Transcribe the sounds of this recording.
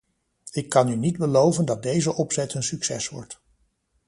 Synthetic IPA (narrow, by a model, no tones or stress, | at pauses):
ɪkːɑnynidbəlowvəndɑt̚dejzəʔɔpsɛtənsyksɛ̰sʋɔ̰ɹt